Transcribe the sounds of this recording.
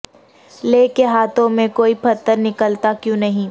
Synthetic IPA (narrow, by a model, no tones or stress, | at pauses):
leːkeɦaːt̪õmẽkoːipʰɐt̪ːəɾnɪkəlt̪akjũːnɐɦĩ